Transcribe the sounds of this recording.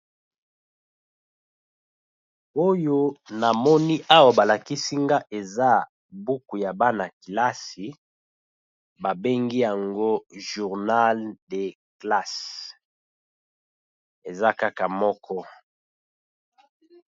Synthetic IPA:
o˦jo˦na˨mɔ˦ni˦ʔa˦wa˨ba˨la˨ki˦si˦ŋɡa˦ʔe˨za˦ | bu˦ku˨ja˨ba˦na˨ki˨la˦si˨ | ba˨be˦ŋɡi˦ja˨ŋɡo˦ʒu˨ʁna˦lde˨ | kla˦s | e˨za˦ka˦ka˨mɔ˦kʰɔ˦

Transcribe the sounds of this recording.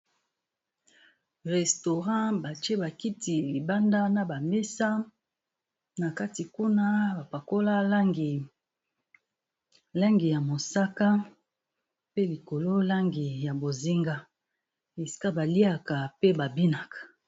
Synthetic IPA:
ʁɛ˨sto˨ʁɑ̃˦ba˨t͡ʃe˦ba˨ki˦ti˨li˨ba˦nda˦na˨ba˨me˦sa˦ | na˨ka˦ti˨ku˦na˦ba˨pa˨ko˦la˦la˦ŋɡi˨ | la˦ŋɡi˨ja˨mo˨sa˦ka˦ | pe˦li˨ko˨lo˦la˦ŋɡi˨ja˨bo˨zi˦ŋɡa˦ | e˨si̥˦ka˦ba˨li˦a˨ka˨pe˦ba˨bi˦na˨kḁ˨

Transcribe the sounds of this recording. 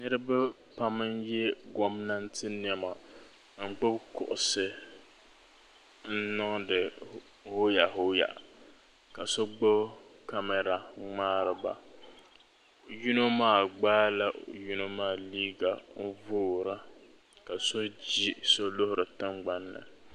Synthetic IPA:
nɨ˦ɾɨ˦ba˦ | pa˦mɨ˦njɛ˦ɡɔ˨mna˦ntɨ˦n˨ɛ˨ma˨ | ŋ̩˦ɡ͡bʊ˦bkʊ̰˨ʔʊ˨sɨ˦ | n̩˦nɨ˦ŋdɨ˨ | ho˦ja˨ɦo˦ja̰˨ʔ | ka˨so˦ɡ͡bʊ˦bka˦mɛ˨ɾa˨ŋ͡maː˦ɾɨ˨ba̰˨ | ju˦no˦maː˦˨ɡ͡baː˦la˦ju˦no˦maː˦˨liː˦ɡa˨m̩˦voː˦ɾa˦ | ka˨so˦d͡ʒi˦so˦lʊ˦hʊ˦ɾɨ˨tɨ˦ŋɡ͡ba˦nːɨ̰˨

